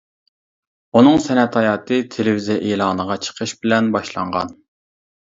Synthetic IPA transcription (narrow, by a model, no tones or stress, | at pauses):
unɨŋsɛnɛt̪ʰɑjɑːt̪ʰɨt̪ʰelɪvizijɛʔeːlˠɑːnəʁɑt͡ʃʰə̥qʰəʃbɪlɛnbɑʃlˠɑ̰ɴʁɑ̰n